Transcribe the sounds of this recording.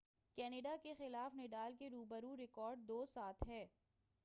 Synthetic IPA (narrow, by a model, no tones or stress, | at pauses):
kɛːnɪɖakexɪlaːfnɪɖaːlkeɾuːbəɾuɾɪkɔːɾɖ̚d̪oːsaːt̪ʰɦɛː